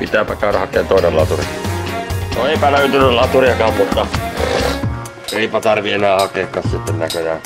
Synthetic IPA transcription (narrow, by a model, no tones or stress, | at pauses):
pit̪æːpækɑːɾɑhɑkːˑeːnt̪oˑinelɑt̪urḭ | noepænæyt̪ynælɑt̪uɾiɑkɑːmmut̪ːɑ | eipæt̪ɑrʋienæːhɑkeːkːɑssit̪ːennækøjæ